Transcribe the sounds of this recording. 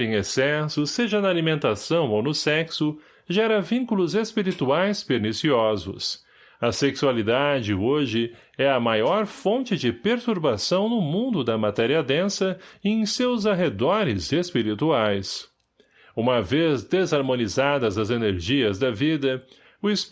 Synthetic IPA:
ẽŋ̃esɛsʊseʒɐnɐalimẽnt̪asɐ̃w̃ownʊsɛksʊ | ʒɛɾɐvĩŋkulʊzespiɾit̪uajspeɾnisiɔzʊ̰s | ɐseksualid̪ad͡ʒɪoʒɪ | ɛɐmajɔɾfõnt͡ʃɪd͡ʒɪpeɾt̪uɾbasɐ̃w̃nʊmũnd̪ʊd̪ɐmat̪ɛɾiɐd̪ẽsɐẽj̃sewzaɦed̪ɔɾɪzespiɾit̪uajs | ũmɐvezd̪ezaɾmõnizad̪ɐzɐzeneɾʒiɐzd̪ɐvid̪ɐ | ʊs

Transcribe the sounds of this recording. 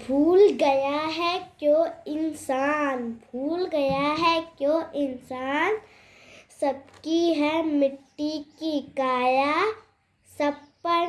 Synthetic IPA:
bʱuːlɡɐjaɦɛkjõːɪnsaːnbʱuːlɡɐjaɦɛkjõːʔɪnsaːn | sɐb̚kiɦɛmɪʈːikikaːja | sɐb̚pə

